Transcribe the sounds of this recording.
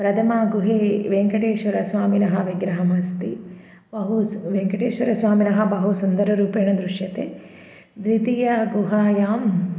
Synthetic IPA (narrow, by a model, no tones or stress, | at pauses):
pɾɐt̪ʰɐmaːɡuɦeːʋeŋkɐʈeːʃʋɐɾɐsʋaːminɐɦɐʋiɡɾɐɦɐmɐːst̪i | bɐɦuʋeŋkɐʈeːʃʋɐɾɐsʋaːminɐɦɐbɐɦusund̪ɐɾɐɾuːpeːɳɐd̪ɾuʂjɐt̪eː | d̪ɾit̪ijɐɡuɦaːjaːm